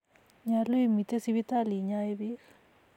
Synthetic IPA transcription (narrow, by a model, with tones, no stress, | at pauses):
ɲa˨lu˦i˨mi˨t̪e˦si˦βi˦t̪a˦li˨ɲa˦e˦βi˦